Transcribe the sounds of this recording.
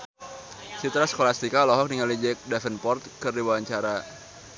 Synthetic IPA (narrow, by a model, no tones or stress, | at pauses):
t͡ʃit̪ɾasə̥kolast̪ikalɔɦɔk̚niŋalid͡ʒɛk̚dafənpɔrt̪̚kɨrdiwawaɲt͡ʃaɾa